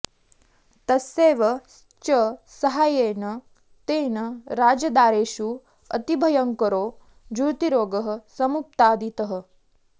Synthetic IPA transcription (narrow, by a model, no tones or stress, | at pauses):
t̪ɐseːʋɐ | t͡ʃɐsɐɦaːjeːnɐ | t̪eːnɐɾaːd͡ʒɐd̪aːɾeːʃu | ɐ̰t̪ibʱɐjɐŋkɐɾoː | d͡ʒuɾt̪iɾoːɡɐɦɐ̆sɐmup̚t̪aːd̪it̪ɐɦə̆